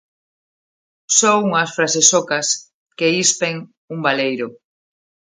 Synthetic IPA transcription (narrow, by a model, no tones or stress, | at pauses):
sɔuŋɐsfɾasesɔkɐs | keispeŋ | uŋbalejɾo